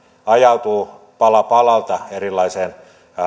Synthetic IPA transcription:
ɑjɑut̪uː | pɑlɑpɑlɑlt̪ɑerilːɑiseːn

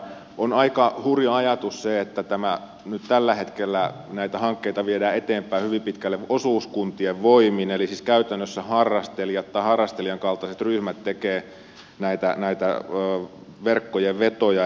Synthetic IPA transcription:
onɑikɑhuriɑɑjɑt̪usseet̪ːæt̪æmæ | nyt̪t̪ælːæhet̪kelːæ | næit̪æhɑŋkːeit̪ɑʋiedæːet̪eːmpˑæihyʋimpit̪kælːeʋosuːskunt̪ieʋʋoiminelisiːskæyt̪ænːøsːæhɑrːɑst̪elijɑt̪t̪ɑihɑrːɑst̪elijɑŋkɑlt̪ɑset̪ryhmæt̪tekeː | næit̪ænæit̪æ̰ː | ʋerkːojeʋʋet̪ojɑ

